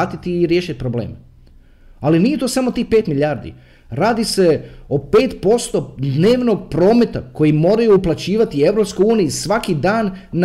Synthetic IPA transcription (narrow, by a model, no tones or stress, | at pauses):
t̪it̪iːɾjeːʃit̪̚ʲpɾoblḛːm | alinijet̪oːsamo̞t̪iːxpe̞ːt̪miʎʲaːɾd̪ḭ | ɾaːd̪ise̞o̞pe̞ːt̪po̞st̪o̞d̪ne̞ːʋnoɡ̚pɾo̞ːme̞t̪ako̞jimo̞ːɾajuːplˠat͡ɕiːʋat̪ie̞ʋɾo̞pskojuːnijisʋakid̪aːnː